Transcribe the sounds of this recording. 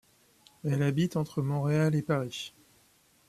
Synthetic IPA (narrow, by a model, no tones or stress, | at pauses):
ɛlabit̪ɑ̃t̪χəmɔ̃ʁealepaʁi